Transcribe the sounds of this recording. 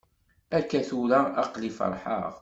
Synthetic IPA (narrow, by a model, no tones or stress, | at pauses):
ækːæθuləɑqlifə̰ɾˤħə̰ʁ